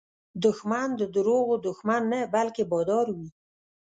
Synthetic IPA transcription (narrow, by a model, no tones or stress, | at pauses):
d̪ʊxmand̪əd̪ʊɾoɣod̪ʊxmanːabalkebɑd̪ɑɾwi